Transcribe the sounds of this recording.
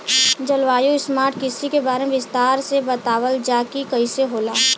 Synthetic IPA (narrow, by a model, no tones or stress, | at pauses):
d͡ʒəlʋaːjuɪsmaːɾʈkɪsikebaːɾemeʋɪst̪aːɾsebɐt̪aːʋəld͡ʒaːkikɐiseɦoːlaː